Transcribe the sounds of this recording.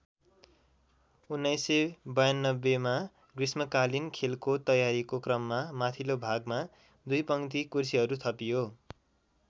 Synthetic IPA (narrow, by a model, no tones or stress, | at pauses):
unːʌjsebʌjanːʌbːema | ɡrismʌkalinkʰelkot̪ʌjaɾikokrʌmːamat̪ʰilobʱaɡma | d̪ujpʌŋt̪̬ikursiɦʌɾut̪ʰʌpijo